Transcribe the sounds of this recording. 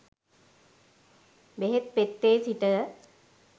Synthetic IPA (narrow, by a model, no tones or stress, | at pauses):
beɦet̪̚pet̪ːeːsiʈə